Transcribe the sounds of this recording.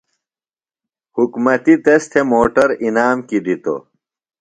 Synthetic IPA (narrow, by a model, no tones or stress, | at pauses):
hukmɐt̪it̪ɐst̪ʰemoːʈɐɾinaːmkid̪it̪o̰